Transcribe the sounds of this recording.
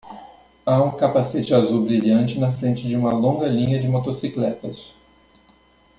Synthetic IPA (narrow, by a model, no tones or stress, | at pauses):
aũkapaset͡ʃɪazubɾiʎɐ̃nt͡ʃɪnɐfɾẽnt͡ʃɪd͡ʒɪũmɐlõŋɡɐlĩɲɐd͡ʒɪmot̪osiklɛt̪ɐs